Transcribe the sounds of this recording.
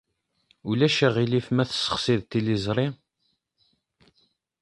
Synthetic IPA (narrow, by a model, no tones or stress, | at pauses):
ulæʃæʁilifmæθə̥sːə̥χsiðt̪ilizˤɾˤi